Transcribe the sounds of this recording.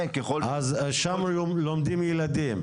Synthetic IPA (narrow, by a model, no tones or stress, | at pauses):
keχoazʃamlomd̪imjɛlad̪im